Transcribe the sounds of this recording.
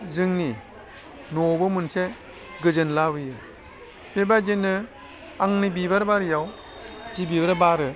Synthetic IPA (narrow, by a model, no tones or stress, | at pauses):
zɯŋni | nobɯmunse | ɡɯd͡ʒɯnlabɯjɯ | bebad͡ʒinɯ | aŋnɯbibaɾbaɾjaw | d͡ʒibibaɾbaɾɯ